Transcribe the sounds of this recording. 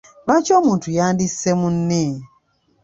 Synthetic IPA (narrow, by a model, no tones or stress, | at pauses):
βaːcoːmuːntujaːndisemunːe